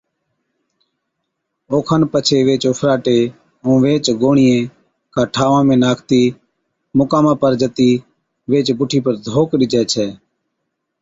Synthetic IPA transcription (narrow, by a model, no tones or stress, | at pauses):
oːkʰanpət͡ʃʰeːʋeːt͡ʃʊːpʰɾaːʈeː | õːʋeːt͡ʃɡoːɳɪjẽː | kaːʈʰaːʋãːmẽːnaːkʰt̪iː | mʊkaːmãːpəɾd͡ʒət̪iː | ʋeːt͡ʃbʊʈʰiːpəɾd̪ʱoːkɾɪd͡ʒɛːt͡ʃʰɛː